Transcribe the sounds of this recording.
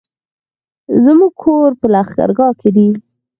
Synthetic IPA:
zəmuɡ̚kʰoɾpəlaxɡa̰ɾɡɑked̪i

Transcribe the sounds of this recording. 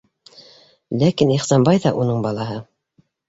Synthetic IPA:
lækiniχsɑnbɑjðɑʔunɤɴbɑlˠɑɦɤ

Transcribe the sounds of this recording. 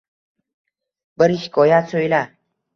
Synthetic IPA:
bəɾiɕkojat͡sʰoila

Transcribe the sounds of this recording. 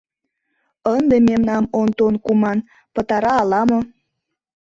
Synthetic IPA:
ənd̪ememnɑmont̪onkumɑn | pət̪ɑɾɑːlɑmo

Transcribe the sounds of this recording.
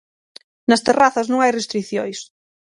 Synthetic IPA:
nɐst̪eraθɐznõŋajrest̪ɾiθjojs

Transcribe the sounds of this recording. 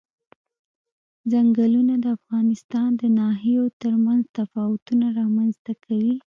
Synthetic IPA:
zaŋɡəlunad̪əafɣɑnɪst̪ɑnd̪ənɑɦijot̪əɾmanzt̪afɑwʊt̪unaɾɑmanzt̪akʰawi

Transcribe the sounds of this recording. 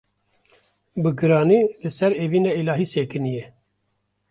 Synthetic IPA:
bɨɡɨɾɑːniːlɨsɛɾeːviːnɑːilɑːɦiːseːkɨnijɛ

